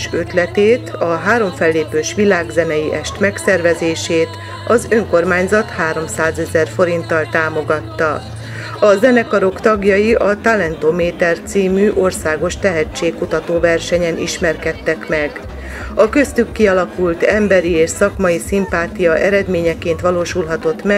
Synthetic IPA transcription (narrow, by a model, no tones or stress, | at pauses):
ʃøt̪lɛt̪eːt̪ʰɒɦaːɾo̞ɱfɛlːeːpøːʃʋilaːɡzɛnɛjiʔɛʃt̪mɛksɛrvɛzeːʃeːt̪ | ɒzøŋko̞rmaːɲzɒt̪haːɾo̞msaːzɛzɛrfo̞ɾint̪ɒlt̪aːmo̞ɡɒt̪ːɒ | ɒzɛnɛkɒɾo̞kt̪ɒɡjɒjiʔɒt̪alɛnt̪oːmeːt̪ɛrt̪siːmyːʔo̞rsaːɡo̞ʃt̪ɛɦɛt͡ʃːeːkkːut̪ɒt̪oːvɛrʃɛɲɛnḭʃmɛrkɛt̪ːɛkmɛɡ | ɒkø̞st̪ykːiɒlɒkult̪ɛmbɛɾieːʃsɒkmɒjisimpaːt̪ijɒʔɛɾɛd̪meːɲɛkeːnt̪ʋɒloːʃulɦɒt̪o̞t̪mɛ